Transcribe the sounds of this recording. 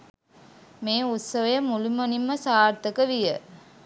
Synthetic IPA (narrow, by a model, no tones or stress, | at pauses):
meːut̪səʋəjəmulumonimːəsaːrt̪əkəʋijə